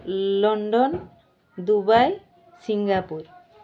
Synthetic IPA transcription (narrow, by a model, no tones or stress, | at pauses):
lɔɳɖɔn | d̪ubaj | siŋɡapuɾ